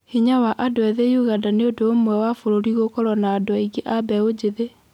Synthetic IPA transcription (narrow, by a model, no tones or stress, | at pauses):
hiɲawaʔadoɛðejuɣadaneodoːmwɛwafoɾoɾiɣokɔɾɔnaːdoaiɡeʔabɛod͡ʑeðe